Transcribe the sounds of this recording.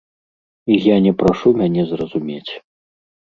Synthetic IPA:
ijanʲɛpɾaʂumʲanʲɛzrɐzumʲet͡sʲ

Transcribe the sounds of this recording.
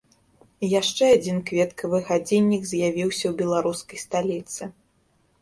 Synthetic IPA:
jaʂt͡ʂɛad͡zʲinkvʲɛt̪kʰɐvɨɣad͡zʲinʲːikzʲjavʲiwsʲɐwbʲɛlˠaɾuskɐjst̪alʲit̪sɨ

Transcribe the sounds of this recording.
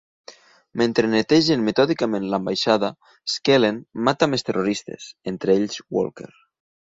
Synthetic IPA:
mẽnt̪ɾenet̪eʒenmet̪ɔðikamẽnlambajʃaða | skelenmat̪amest̪erʔoɾist̪ḛsent̪ɾeeʎzwo̰lˠkḛɾ

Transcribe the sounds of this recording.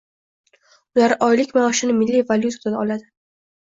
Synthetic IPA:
ʊlaɾɒjlɪkʲmaɒʃɪnɪmɪlːivalʲjut̪ʰat̪ad̪aɒlad̪ɪ

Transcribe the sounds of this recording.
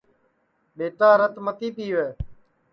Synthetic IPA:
ɓeːʈaːɾət̪mət̪iːpiːʋeː

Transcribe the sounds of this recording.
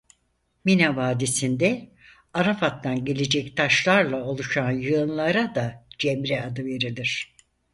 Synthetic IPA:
minavaːd̪esind̪ɛ | aɾafat̪ːanɟe̞lʲe̞d͡ʒɛc̚t̪ʰaʃlˠaɾlˠao̞lˠuʃanjɯnlˠaɾad̪ad͡ʒɛmɾɛad̪ɯve̞ɾilʲiɾ̥

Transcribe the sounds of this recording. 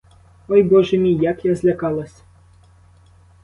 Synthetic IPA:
ɔjbɔʒɛmʲijakjazʲlʲɐkɑlˠɐsʲ

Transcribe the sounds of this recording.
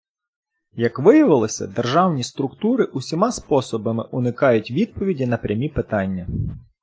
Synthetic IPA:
jɐkʋɪjɐʋɪlˠɪsʲɐ̰d̪erʒɑwnʲist̪ɾʊkt̪uɾɪʔusʲimɑspɔsɔbɐmɪʔunɪkɑjʊtʲʋʲid̪̚pɔʋʲidʲinɐpɾʲɐmʲipɪt̪ɑnʲːɐ

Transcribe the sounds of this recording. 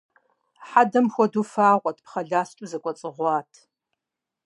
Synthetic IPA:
ħadɐmxʷɔdufaːʁʷɔtʰpʰχɐɮaːst͡ʃʼuzɐkʷʼɔt͡sʼɨʁʷɑːtʰ

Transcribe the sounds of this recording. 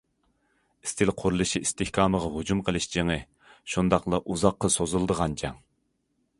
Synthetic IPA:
i̥st̪ʰɪlqʰʊɾulˠɨʃiist̪ʰɪhkʰɑːməʁɑɦud͡ʒumqʰəlˠɨʃd͡ʒeŋɨ | ʃund̪ɑqlˠɑʔuzɑqːɑsozulˠd̪əʁɑnd͡ʒɑ̰ŋ

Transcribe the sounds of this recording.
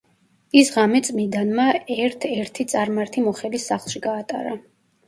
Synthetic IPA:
isʁamɛt̪sʼmid̪anmaɛɾt̪ʰɛɾt̪ʰit̪sʼaɾmaɾt̪ʰimɔχɛlisːaχlˠʃiɡaːt̪ʼa̰ɾa

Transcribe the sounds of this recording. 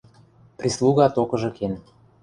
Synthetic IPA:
pɾislˠuɣɑt̪okɤ̆ʒɤ̆ken

